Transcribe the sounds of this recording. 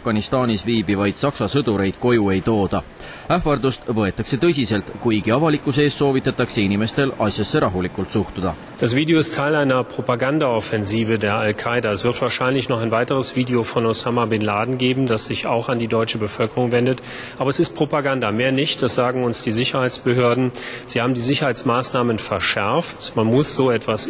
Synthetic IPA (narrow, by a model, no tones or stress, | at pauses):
fɡ̥ɑnist̪ɑːnisviːbivɑjd̪̥sɑksɑsɤd̪̥uɾe̞jd̪̥ko̞jue̞jt̪o̞ːd̪̥ɑ | æhvɑrd̪ust̪vɤ̞e̞t̪ˑːɑkse̞t̪ɤ̞s̬ʲise̞lt̪kujɡ̥iɑvɑlikːˑuse̞ːsːo̞ːvit̪ːˑɑt̪ːˑɑkseinime̞st̪e̞lɑsʲjɑsːe̞ɾʔɑɦulikːˑult̪suht̪ud̪̥ɑ | d̥asv̥iːdeo̞ɪstʰːaɪlaɪnɐpʁ̥opaɡandaofenziːvədeːɐalkʰaɪdaesvɪɐtv̥aːʃaɪnlɪçnɔχaɪnvaɪtəʁəsv̥iːdeofɔnosamabɪnlaːdn̩ɡeːbm̩d̥asz̥ɪçaʊxandiːdɔʏt͡ʃəbəfølkəʁʊŋvendət | ʔaːbɐesɪst̚pʁ̥opaɡandameːɐnɪçt̚d̥asz̥aːɡŋ̩ʊnsd̥iːzɪçɐhaɪsb̥əɦøːɐdn̩z̥iːhaːbm̩diːzɪçɐhaɪtt͡smaːsnaːmənfɛɐʃɛɐftmanmʊsz̥oːetv̥as